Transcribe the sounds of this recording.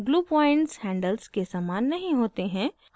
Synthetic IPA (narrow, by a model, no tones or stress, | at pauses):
ɡluːpaːɪɳʈshɛ̃ːɳɖəlzkesaːmaːnːɐɦĩɦoːt̪eɦɛ̃ː